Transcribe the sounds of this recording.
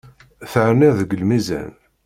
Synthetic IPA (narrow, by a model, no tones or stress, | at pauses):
θəʕɾnɪðəɡəlmizæ̰n